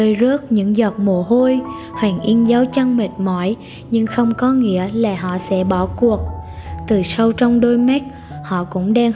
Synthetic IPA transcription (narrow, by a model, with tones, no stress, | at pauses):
əː˧jzə˦˥ək̚ɲɨ̰˧˥ŋzɔ˨˩t̚mo˧˩ɦo˧jhwa˨˩ŋ̟ʔi˧nzaː˨˦wt͡ɕa˧ŋme˨˩t̚mɔ˧˩j | ɲɨ˧ŋxə˧wŋ͡mkɔ˨˦ŋḭ˧˥əlaː˨˩ɦɔ̰˧˨sɛ̰˧˥ɓɔ˧˩ku˨˩ək̚t̪ɨ˨˩sə˧wt͡ɕɔ˧wŋ͡mɗo˧jma˦˥k̚ | hɔ̰˧˨kʊ̰˧˥ŋ͡mɗaː˧ŋ